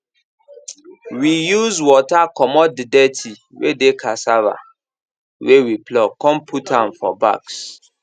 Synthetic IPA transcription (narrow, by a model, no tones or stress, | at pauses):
wijuzwɔtakɔmɔtddɛtʰi | wedekʰasaɹa̰ | wewiplɔkɔ̃mpʰutãnfɔ̰ba̰ks